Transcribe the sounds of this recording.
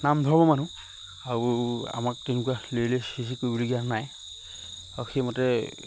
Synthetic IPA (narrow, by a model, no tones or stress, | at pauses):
namdʱɔɹbɔmanũ | aɹua̰mak̚tinʊkualeɹilɛsisikoibɔliɡijanaj | auxemɔtɛ